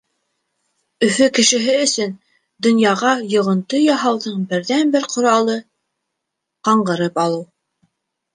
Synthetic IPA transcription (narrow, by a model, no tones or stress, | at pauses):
ɵ̆fɵkɘ̆ʃɘ̆ɦɘɵ̆sɵn | d̪ŏnjɑʁɑjŏʁɤ̆nt̪ɤjɑɦɑwðɤɴbɘ̆ɾðænbɘɾqʰŏɾɑlˠɤ | qɑɴɢɤ̆ɾɤpɑlˠɤw